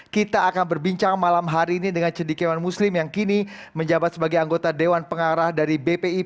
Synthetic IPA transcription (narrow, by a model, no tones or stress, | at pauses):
kit̪aʔːkanbərbiɲt͡ʃaŋmalamɦaɾiːnidəŋant͡ʃədikɛwanmuslɪmjaŋkini | məɲd͡ʒabat̪səbaɡajaŋɡot̪adewanpəŋaɾahdaɾibepei